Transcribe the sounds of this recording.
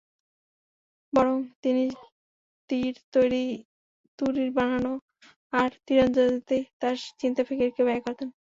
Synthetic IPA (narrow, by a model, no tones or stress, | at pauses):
bɔɾoŋt̪ini | t̪iɾt̪ojɾi | t̪uɾiɾbanano | aɾt̪iɾond͡ʑod̪it̪et̪aɾt͡ɕint̪afʰekeɾkeβakoɾt̪en